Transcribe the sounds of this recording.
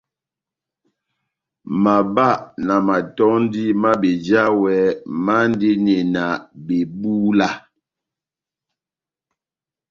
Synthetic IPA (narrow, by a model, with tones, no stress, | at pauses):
ma˨ba˦˨ʔna˨ma˨tɔ˦n˦di˦ma˦be˨d͡ʒa˦wɛ˨˦ma˦n˦de˦ne˨na˨be˨buː˦la˦